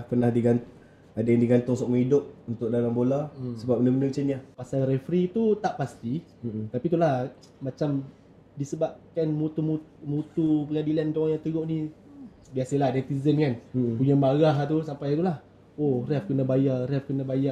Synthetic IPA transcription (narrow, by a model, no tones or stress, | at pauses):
hpənahdiɡan | adajaŋdiɡant̪ʊŋsɔʔ̚məŋidʊp̚unt̪ʊk̚dalambolasəbap̚bəndəbənət͡ʃɛnɲapasalrɛfɾit̪ut̪aʔpast̪i | t̪apit̪ulah | mat͡ʃam | disəbap̚kanmut̪umumut̪upəŋadilant̪oaŋjat̪əɡoʔnĩ | biasəladɛt̪izənkan̩puɲamaɣaɦt̪usampajt̪ulah | orɛfkənabajarɛfkənabaja